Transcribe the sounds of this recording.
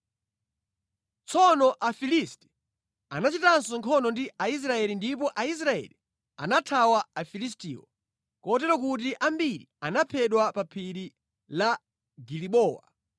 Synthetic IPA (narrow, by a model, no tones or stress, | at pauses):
t͡sʰɔnɔʔafilistɛ̥ | anat͡ʃitansɔŋkʰɔnɔndiais̬ɾaɛlindip̬ɔʔais̬ɾaɛ̰li | a̰natʰawaafilistiːwɔ̰ | kɔt̬ɛɾɔkut̬iʔambiɾḭanapʰɛɗwapapʰiɾi | la | ɡiliɓɔːwa̰